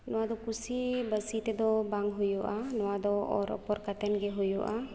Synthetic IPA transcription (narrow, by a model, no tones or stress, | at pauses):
nɔwad̪ɔkusibəsit̪ɛd̪ɔbaŋɡɦujɔʔanɔwad̪ɔɔɾɔ̰pɔɾkat̪ɛnɡɛɦujɔʔa